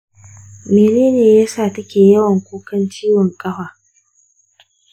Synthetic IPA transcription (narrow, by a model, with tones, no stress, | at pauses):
meː˨neː˦neː˨jaː˦saː˨tɐ˦kʲeː˨jɐ˦wɐ˨ŋkʷoː˦kɐ˦nt͡ʃiː˦wɔ˨ŋkʼɐ˦ɸaː˨